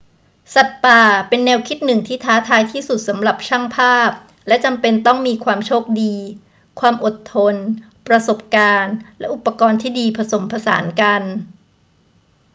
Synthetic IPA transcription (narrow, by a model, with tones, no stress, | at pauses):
sa˨˩t̪̚paː˨˩pe˧nːɛː˧wkʰi˦˥t̪̚nɯ˨˩ŋt̪ʰiː˥˩t̪ʰaː˦˥t̪ʰaː˧jt̪ʰiː˥˩su˨˩t̪̚sa˩˦mɾa˨˩p̚t͡ɕʰa˥˩ŋpʰaː˥˩p̚ | lɛ˦˥t͡ɕa˧mpe˧nt̪ɔ˥˩ŋmiː˧kʰwaː˧mt͡ɕʰoː˥˩k̚diː˧ | kʰwaː˧mʔo˨˩t̪ʰːo˧n | pɾa˧so˨˩p̚kaː˧nlɛ˦˥ʔu˨˩pːa˧kɔː˧nt̪ʰiː˥˩diː˧pʰa˧so˩˦mpʰa˧sa̰ː˩˦nka˧n